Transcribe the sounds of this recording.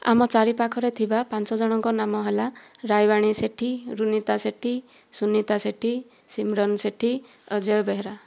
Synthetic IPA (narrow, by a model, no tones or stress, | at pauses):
a̰mɔt͡ʃaɾipakʰɔɾet̪ʰibapansɔd͡ʒɔɽ̃ɔŋkɔnamɔɦelaɾajbaɽ̃iseʈʰiɾunit̪aseʈʰi | sunit̪aseʈʰi | simɾɔnseʈʰi | əd͡ʒɔjɔbeɦeɾa